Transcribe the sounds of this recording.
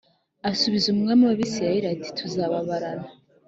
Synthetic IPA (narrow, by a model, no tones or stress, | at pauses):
asuβizumuŋamiwaβisijajiɾati̥tʰuzaβaβaɾana